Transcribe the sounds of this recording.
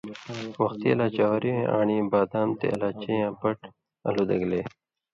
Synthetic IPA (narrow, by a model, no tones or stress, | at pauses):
wɐxt̪iɐ̰laːt͡ɕaːwɾiẽʔa̰ːɳibaːd̪aːnt̪ḛɐ̰laːt͡ɕejãːpɐʈ | ɐ̰lud̪ɐɡleː